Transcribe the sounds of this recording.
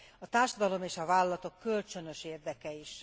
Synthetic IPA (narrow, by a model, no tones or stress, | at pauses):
ɒt̪aːrʃɒd̪ɒlo̞meːʃɒvaːlɒlɒt̪o̞kːølt͡ʃø̞nø̞ʃeːrd̪ɛkɛiʃ